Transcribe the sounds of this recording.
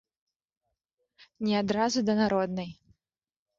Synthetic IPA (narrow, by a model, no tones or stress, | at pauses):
nʲɛad̪ɾazud̪ɐnaɾɔd̪nɐj